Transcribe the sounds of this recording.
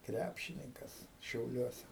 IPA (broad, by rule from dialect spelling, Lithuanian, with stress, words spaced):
ˈkrʲæpʲʃʲɪnʲɪŋkɐs ʃʲɛʊˈlʲuɔsʲɛ